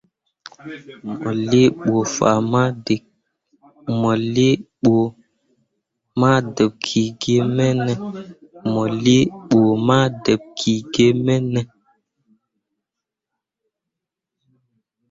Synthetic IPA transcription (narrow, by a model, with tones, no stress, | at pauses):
mɔ̰˨le˦ɓo˨fa̰˨ma˦de˨ | mɔ˨li˦ɓo˨ | ma˦də˨p̚kʰi˨ɡe˦mɛ˦nɛ˨mɔ˨li˦ɓo˨ma˦də˨p̚kʰi˨ɡe˦mɛ˦nɛ˦